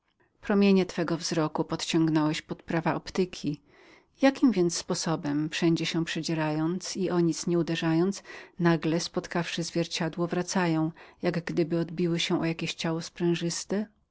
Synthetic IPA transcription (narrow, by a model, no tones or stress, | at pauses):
pɾɔmʲjeɲɛt̪fɛɡɔvzɾɔkupɔt̪t͡ɕɔ̃ŋɡnɔwɛɕpɔt̪pɾavaɔpt̪ɘkʲʰi | jakʲimvʲjɛnt̪sspɔsɔbɛmfʂɛɲd͡ʑɛɕɛ̃pʂɛd͡ʑɛɾajɔnt̪siʔɔɲit̪sɲɛud̪ɛʐajɔnt̪snaɡlɛspɔt̪kafʂɘzvʲjɛɾt͡ɕad̪wɔvɾat̪sajɔ̃w̃jaɡɡd̪ɘbɘɔd̪̚bʲiwɘɕɛ̃ʔɔjakʲeɕt͡ɕawɔspɾɛ̃w̃ʐɘst̪ɛ